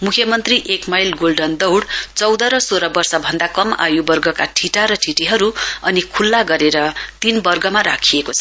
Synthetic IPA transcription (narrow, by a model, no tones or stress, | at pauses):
mukʰjʌmʌnt̪riʔekmajlɡolɖʌnd̪ʌwɽt͡sʌwd̪ʌɾʌsoɾʌbʌrsʌbʱʌnd̪akʌma̰jubʌrɡʌkaʈʰiʈaɾʌʈʰiʈiɦʌɾuʌnikʰulːaɡʌɾeɾʌt̪inbʌrɡʌmaɾakʰijekot͡sʰʌ